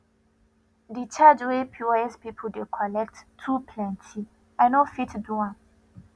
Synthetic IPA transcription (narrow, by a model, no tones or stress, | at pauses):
dit͡ʃad͡ʒwepʰjuɛspipʰədekʰɔlɛk̚tʰːupʰlɛ̃ntʰi | ajnofitduã